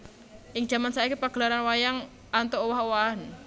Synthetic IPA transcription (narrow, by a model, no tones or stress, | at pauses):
ʔɪŋ̥ʒ̥a̤mansaikipaɡ̥əlaɾanwajaŋ | ant̪oowɔɦowaan